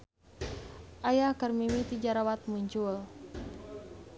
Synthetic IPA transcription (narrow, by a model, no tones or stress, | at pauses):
ʔajakərmimit̪id͡ʒaɾawat̪̚muɲt͡ʃul